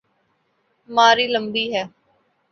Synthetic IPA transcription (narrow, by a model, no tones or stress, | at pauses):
maːɾiːləmbiːɦɛː